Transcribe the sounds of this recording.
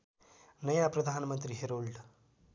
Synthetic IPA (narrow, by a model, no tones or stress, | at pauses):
nəjãpɾəd̪ʱanmənt̪ɾiɦeɾolɖ